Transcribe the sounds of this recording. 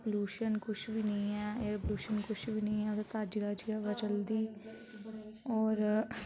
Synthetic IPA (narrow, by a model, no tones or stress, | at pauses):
bluːʃənkʊʃʰbiːnəĩːɛːeɾebluːʃənkʊt͡ʃʰbiːnəĩːɛːd̪at̪aːd͡ʒɡaːd͡ʒiɛːʋət͡ʃəld̪iː | ɔːɾ